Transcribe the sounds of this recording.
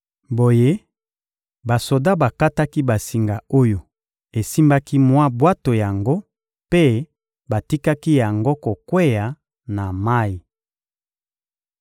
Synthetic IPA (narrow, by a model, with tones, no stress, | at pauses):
bo˨je˦ | ba˨so˨da˦ba˨ka˦ta˦ki˦ba˨si˨ŋɡa˨o˦jo˨ | e˨si˦mba˦ki˦mwa˦bwa˦to˨ja˨ŋɡo˦ | pe˦ | ba˨ti˦ka˦ki˦ja˨ŋɡo˦ko˨kwe˦ja˨ | na˨ma˦i˨